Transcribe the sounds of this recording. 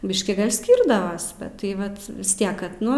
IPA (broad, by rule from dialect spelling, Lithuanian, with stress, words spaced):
ˈbʲɪʃʲkʲiː ˈsʲkʲiːrdɐʋɐs bʲɛt tɐɪ ˈʋɐt ʋʲɪs ˈtʲiɛk ˈkɐt ˈnʊ